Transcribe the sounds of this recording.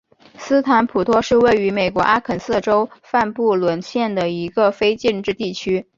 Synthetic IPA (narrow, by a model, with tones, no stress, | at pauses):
sɹ̩˥t̪ʰa˧˥npʰu˨˩t̪ʰwɔ˥ʂɻ̩˥˧we˥˩ɪy˧˥me˨˩ɪkwɔ˧˥ʔa˥kʰə˨˩ns̩˥˩ʈ͡ʂo˥ʊfa˥˧npu˥˩lwə˧˥nɕjɛ˥˩nd̪ə˩i˧˥ɡə˧fe˥ɪt͡ɕi˥˧nʈ͡ʂɻ̩˥˧t̪i˥˩t͡ɕʰy˥